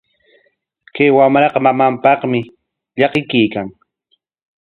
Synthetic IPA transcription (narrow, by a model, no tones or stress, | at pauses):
kajwamɾɑqɑmamampɑχmɪ | ʎɑqɪkɪjkaŋ